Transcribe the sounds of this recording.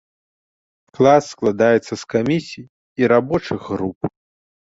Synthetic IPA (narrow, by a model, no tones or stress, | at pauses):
klˠasːklˠad̪ajɛt̪sːɐskamʲisʲijː | ɾabɔt͡ʂɨɣɣɾup̚